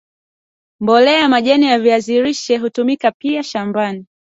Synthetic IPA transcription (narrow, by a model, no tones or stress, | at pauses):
mbɔlɛamaʄɛnijaviaziɾiʃɛɦutumikapiaʃambani